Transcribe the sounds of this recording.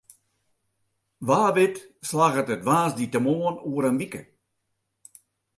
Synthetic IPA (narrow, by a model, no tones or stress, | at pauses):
ʋaːʋɪtslaɣətətʋaːsditəmoənuəɾənʋikə̰